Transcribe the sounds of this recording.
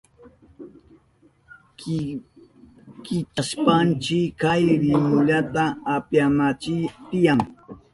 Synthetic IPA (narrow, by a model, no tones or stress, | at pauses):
kɪt͡ʃaspant͡ʃɪkajɾɪmʊʎat̪aːpjamat͡ʃɪt̪ɪjaŋ